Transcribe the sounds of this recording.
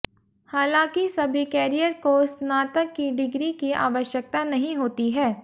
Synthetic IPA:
haːlãːkisɐbʱikɛːɾijəɾkosnaːt̪əkːiɖɪɡɾikiʔa̰ːʋəʃjək̚t̪anɐɦĩɦoːt̪iɦɛː

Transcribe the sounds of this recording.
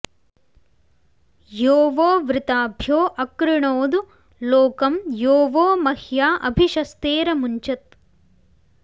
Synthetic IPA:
joːʋoːʋɾɪt̪aːbʱjoːʔɐkɾɪɳoːd̪u | loːkɐmjoːʋoːmɐhjaːʔɐbʱiʃɐst̪eːɾɐmuɲt͡ʃɐt̪̚

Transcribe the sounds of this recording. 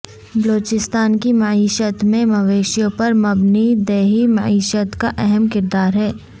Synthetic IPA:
bɐloːt͡ʃɪst̪aːnkimɐʕiːʃət̪mẽmɐʋeːʃjõpɐɾmɐbnid̪ɛːɦimɐ̰ʕiːʃət̪kaʔɛɦɛmkɪɾd̪aːɾɦɛː

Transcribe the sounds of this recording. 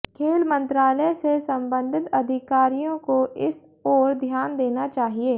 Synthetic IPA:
kʰeːlmə̃nt̪ɾaːlɛsesɐ̃mbə̃nd̪ʱɪt̪ɐd̪ʱɪkaːɾijõkoʔɪs | ɔːɾd̪ʱjaːnd̪eːnat͡ʃaːɦieː

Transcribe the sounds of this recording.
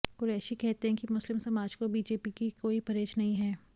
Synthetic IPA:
kʊɾɛːʃikɛɦt̪eɦɛ̃kimʊslɪmsɐmaːd͡ʒkobiːd͡ʒeːpikikoːipɐɾeːt͡ʃnɐɦĩɦɛː

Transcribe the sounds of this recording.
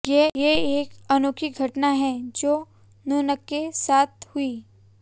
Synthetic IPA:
jejeeːkɐnoːkʰiɡʱɐʈnaɦɛ̃d͡ʒoː | noːnəkːesaːt̪̚ʰhʊiː

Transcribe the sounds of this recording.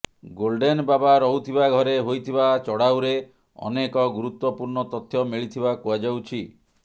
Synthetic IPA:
ɡolɖenbabaɾɔɦut̪ʰibaɡʱɔɾeɦojt̪ʰibat͡ʃɔɽawɾe | ɔ̰nekɔɡuɾut̪wɔpuɾɳɔt̪ɔt̪ʰːjɔmiɭit̪ʰibakuad͡ʒawt͡ʃʰi

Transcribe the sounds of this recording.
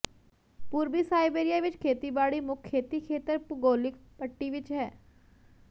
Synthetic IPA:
puːɾbiːsaːɪbeːɾɪjaːʋɪt͡ʃkʰeːt̪iːbaːɽiːmʊkʰːeːt̪iːkʰeːt̪əɾpʊɡoːlɪkpəʈːiːʋɪt͡ʃɦɛː

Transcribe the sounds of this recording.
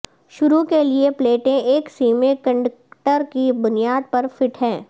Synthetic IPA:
ʃʊɾukeliepleːʈẽʔeːksiːmẽkɐ̃ɳɖəkʈəɾkibʊnijaːd̪̚pɐɾfɪʈɦɛ̃ː

